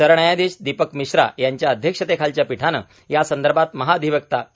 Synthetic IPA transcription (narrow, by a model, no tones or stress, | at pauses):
səɾɳ̃ajad̪eɕd̪ipəkmiɕɾa̰jaɲt͡ɕjaəd̪ʱjəkʂət̪ekʰalt͡ɕjapiʈʰanə̰ː | jasənd̪əɾbʱat̪məɦaəd̪ʱiʋəkt̪a